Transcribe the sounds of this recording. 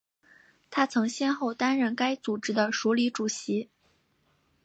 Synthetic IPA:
t̪ʰa˥t͡sʰɤ˧˥ŋɕjɛ˥nxo˥˩ʊt̪a˥nɻə˥˩nka˥ɪt͡su˨˩ʈ͡ʂɻ̩˥d̪ə˨ʂu˧˥li˧˥ʈ͡ʂu˨˩ɕi˧˥

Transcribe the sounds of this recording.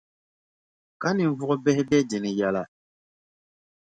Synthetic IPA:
ka˦nĩ˨vɔ˦ɔ˦bɛ˦hɛ˦bɛ˦dɛ˨nɛ̃˨ja˨la˨

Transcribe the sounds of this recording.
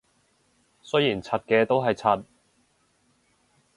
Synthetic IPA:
sɵ˥ɥjiː˨˩nt͡sʰɐ˧t̚kɛː˧t̪o˥wɦɐ˨jt͡sʰɐ˧t̚

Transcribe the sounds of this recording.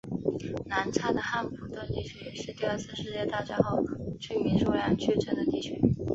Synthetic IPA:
na˧˥nʈ͡ʂʰa˥d̪ə˨xa˥npʰu˨˧˥t̪wə˥˧nt̪i˥˩t͡ɕʰɛ˧˥ɪʂɻ̩˥˧t̪i˥˧ə˞˥˧sɹ̩˥˧ʂɻ̩˥˧t͡ɕjɛ˥˧t̪a˥˧t͡ɕa˥xo˥˩ʊt͡ɕʰy˥˩mi˧˥ʂu˥la˧˥nt͡ɕʰɛ˥˩ʈ͡ʂə˨˩d̪ə˧t̪i˥˩t͡ɕʰy̰˧˥

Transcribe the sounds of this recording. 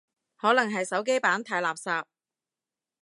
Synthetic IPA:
hɔː˨˥lɐ˨˩ŋɦɐ˨jsɐ˨˥wk̬e˥jpaː˨˥nt̪ʰaː˧jlaː˨˩p̚saː˧p̚

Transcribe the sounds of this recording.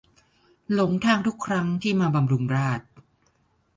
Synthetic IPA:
lo˩˦ŋt̪ʰaː˧ŋt̪ʰu˦˥kʰːɾa˦˥ŋt̪ʰiː˥˩maː˧ba˧mɾu˧mɾaː˥˩t̪̚

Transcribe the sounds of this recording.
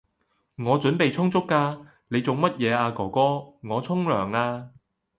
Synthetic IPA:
ŋɔː˨˧t͡ʃɵ˨˥npe˨jt͡sʰʊ˥ŋt͡sʊ˥kːaː˧ | ne˨˧jt͡so˨˩wmɐ˥t̚jɛː˨˧aː˧kɔː˨˩kɔː˥ŋɔː˨˧t͡sʰʊ˥ŋlœː˨˩ŋaː˧

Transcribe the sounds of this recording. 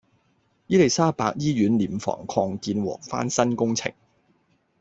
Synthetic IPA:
jiː˥le˨˩jsaː˥paː˧k̚jiː˥ɥyː˨˥nliː˨˩mfɔ̰ː˨˩ŋkʰɔː˧ŋkiː˧nwɔ̰ː˨˩k̚fa̰ː˥nsɐ˥nkʊ˥ŋt͡sʰɪ̰˨˩ŋ

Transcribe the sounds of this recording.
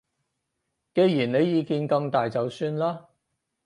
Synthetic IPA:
ke˨˧jjiː˨˩nne˨˧jjiː˨˧kiː˧nkɐ˧ŋt̪aː˨jt͡sɐ˨wsyː˧nlaː˥

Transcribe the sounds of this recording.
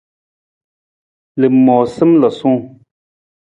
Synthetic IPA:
lɨ˨mːɔː˨sɨ˦mlɔ˨sũ˦˨

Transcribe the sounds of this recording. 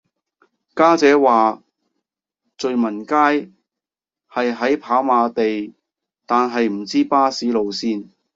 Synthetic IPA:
kaː˥t͡sɛː˨˥waː˨ | t͡sɵ˨ɥmɐ˨˩nkaː˥j | hɐ˨jɦɐ˨˥jpʰaː˨˥maː˨˧t̪e˨j | t̪aː˨nɦɐ˨jm̩˨˩t͡siː˥paː˥siː˨˥lo˨˧wsiː˥n

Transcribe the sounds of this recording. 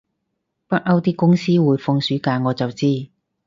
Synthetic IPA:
pɐ˥t̚ʔɐ˥wt̪iː˥kʊ˥ŋsiː˥wuː˨˧jfʊ˧ŋsyː˨˥kaː˧ŋɔː˨˧t͡sɐ˨wt͡siː˥

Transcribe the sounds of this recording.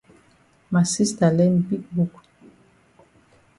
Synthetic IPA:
ma˨si˦sta˨lɛ˦nbi˦kbu˨k

